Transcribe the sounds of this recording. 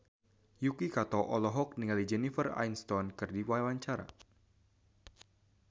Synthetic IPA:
jukikat̪ɔʔɔlɔɦɔk̚niŋalid͡ʒɛnifəra̰jnst̪ɔnkɨrdiwaɛwaɲt͡ʃaɾa̰

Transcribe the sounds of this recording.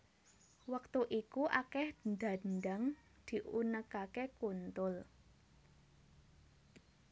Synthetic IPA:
wək̚t̪uʔikuʔakɛhnd̪a̤nɖaŋ | d̪̥i̤ʔunəkakekunt̪ʊl

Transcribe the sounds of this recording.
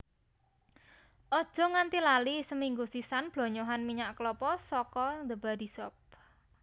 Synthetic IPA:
ʔɔd̥ʒ̥ɔ̤ŋant̪ilalisəmiŋɡusisanb̥lɔ̤ɲoɦanmiɲaʔkəlɔpɔsɔkɔnd̪əb̥a̤d̪̥i̤sɔp̚

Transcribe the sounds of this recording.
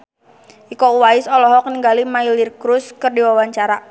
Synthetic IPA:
ʔikɔuwaɪsɔlɔɦɔkəniŋɡalimailirkɾʊskərdiwawaɲt͡ʃaɾa

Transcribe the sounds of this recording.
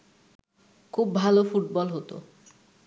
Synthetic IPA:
kʰubːʱalofuʈ̚bɔlɦot̪o̰

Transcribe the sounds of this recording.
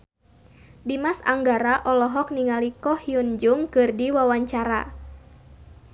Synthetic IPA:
dimasa̰ŋɡaɾaʔɔlɔɦɔk̚niŋalikɔhiund͡ʒʊŋkɨrdiwawaɲt͡ʃaɾa̰

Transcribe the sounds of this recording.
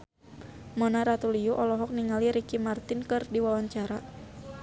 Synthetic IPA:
mɔnaɾat̪uliuʔɔlɔɦɔk̚niŋaliɾikimart̪ɪnkɨrdiwawaɲt͡ʃaɾa

